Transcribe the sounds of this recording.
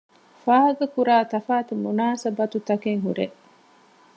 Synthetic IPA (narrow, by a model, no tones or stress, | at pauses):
faːɦɐɡɐkuɾaːt̪ɐfaːt̪umunaːsɐbɐt̪ut̪ɐkeŋɦuɾeʔ